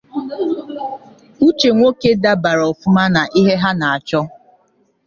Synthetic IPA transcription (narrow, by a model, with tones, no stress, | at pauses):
u˦t͡ʃe˨ŋʷo˦ke˦da˦ba˨ɾɔ˨fʊ˦ma˦na˨ʔi˦ɦe˦ɦa˦na˨a˨t͡ʃɔ˦